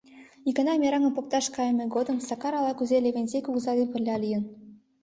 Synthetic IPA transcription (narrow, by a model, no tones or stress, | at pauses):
ikɤ̆nɑmʲeɾɑŋɤ̆pok̚t̪ɑʃkɑjəmʲeɡod̪ɤ̆msɑkɑɾɑlˠɑkuzelʲeβʲenʲzʲekuɣzɑd̪enpə̆rlʲːɑlʲijə̆n